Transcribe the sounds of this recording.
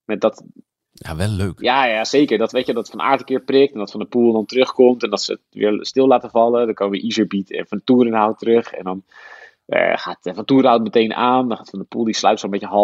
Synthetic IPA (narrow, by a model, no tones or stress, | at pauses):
madɔt | jaʋɛlːøːkjaːjajaseːkəɹdɔtʋetjədɔtfɔna̰ːɹtəkɪːprɪk̚tɛndɔtfɔndəpulˠdɔntərøxkomtɛndɔtsə̰ | ʋɪ̰ːɹstɪlˠlaːtəvɑlˠədɔkoːəɪ̰ʔizəɹbitɛ̰nfɔndətuːrənhawətərøxɛ̰ndɔn̰ | xaːtfɔnətuəɾhawtmətejnʔaːndɔnxaːtfɔndəpulˠdisla̰ɥp̚tsɔlˠmɛtəɦɔ